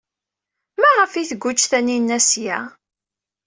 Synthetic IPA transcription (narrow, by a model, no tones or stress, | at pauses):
mæʁəfiθəɡʷːut͡ʃːθæninːæsjæ